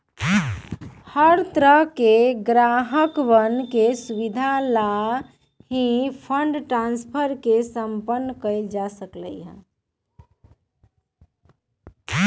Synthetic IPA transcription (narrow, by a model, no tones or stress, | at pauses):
həɾt̪ɾəɦkeɡɾaɦəkʋənkesuʋid̪ʱala | ɦĩpʰə̃ɳɖʈɾãnspʰəɾkesə̃mpənːkəɪld͡ʒasəklə̰iɦɛ̰̃